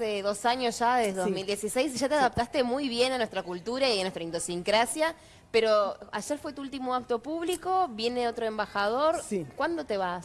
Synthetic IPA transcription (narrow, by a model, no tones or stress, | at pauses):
eðo̞saɲosʒ̥aðeðeðozmild̪jesisejsʒ̥at̪eaðap̚t̪ast̪e̞mujβje̞nanwest̪ɾakult̪uɾaiianwest̪ɾaind̪osiŋkɾasja | peɾo̞aʒeɾfwe̞t̪uult̪imoak̚t̪o̞puβliko̞βje̞neo̞t̪ɾoembaxað̞o̞ɾsikwand̪o̞t̪e̞βas